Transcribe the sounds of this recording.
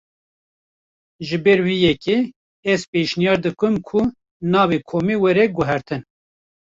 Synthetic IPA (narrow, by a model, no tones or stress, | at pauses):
ʒɨbɛɾwijɛke | ɛzpeʃnijɑːɾd̪ɨkɨmkʰʊ | nɑːvekʰoːmiːwɛɾɛɡʊɦɛɾt̪ʰɨn